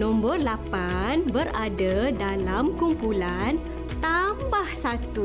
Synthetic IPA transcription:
nɔ̃mbɔrlapanbəradadalamkumpulan | t̪ambahsat̪u

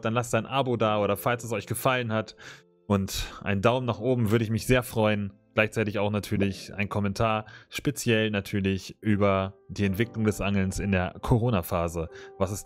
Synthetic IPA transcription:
d̥anlastd̥aɪnʔabodaːʔoːɾɐfalstɛsɔʏçɡ̥əfalənhat | ʔʊntʔa̰ɪndaʊmnaːχʔoːbm̩vʏɐɾəɪçmɪçz̥eːɐfʁ̥ɔʏənɡ̥laɪçt͡saɪtɪçaʊxnatʰyːɐlɪçʔa̰ɪnkʰɔmɛntʰaːɐʃpet͡sjɛlnatʰyːɐlɪçʔyːbɐd̥iːɛntv̥ɪklʊŋdɛsʔaŋl̩nsɪndeːɐkʰoʁ̞oːnafaːzəvasɛs

